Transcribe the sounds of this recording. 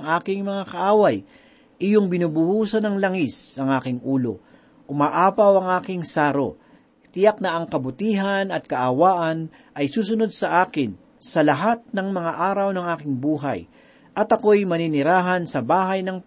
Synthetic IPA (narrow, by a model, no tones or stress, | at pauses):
ŋʔaːkɪŋmɐŋakɐʔaːwɐj | ʔɪjoŋbɪnuːbʊhuːsɐnɐŋlɐŋisɐŋʔaːkɪŋʔuːlo̞̰ | ʔʊmaːʔaːpɐwɐŋʔaːkɪŋsaːɾo̞̰ | t̪ɪjak̚nɐʔɐŋkɐbʊt̪iːɦɐnɐt̪̚kɐʔɐwaːʔɐn | ʔɐjsuːs̬ʊno̞d̪̚sɐʔaːkɪn | sɐlɐɦat̪̚nɐŋmɐŋaʔaːɾɐwnɐŋaːkɪŋbuːɦa̰j | ʔɐt̪ɐko̞jmɐninɪɾaːɦɐnsɐbaːɦɐjnɐŋ